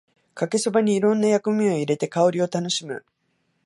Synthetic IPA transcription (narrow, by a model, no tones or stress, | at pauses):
kake̞sobaɲ̟iːɾõ̞nːajakɯ̟mʲio̞iɾe̞t̪e̞kao̞ɾʲio̞t̪ano̞ɕimɯ̟̰